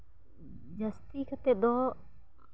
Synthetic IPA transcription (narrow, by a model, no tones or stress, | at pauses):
d͡ʒɐst̪ikʰat̪ɛd̪ɔ